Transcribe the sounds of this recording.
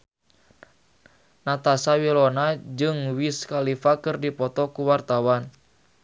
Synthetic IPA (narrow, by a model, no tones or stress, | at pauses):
nat̪asawilɔnad͡ʒɨŋwiskalifakɨrdipɔt̪ɔkuwart̪awan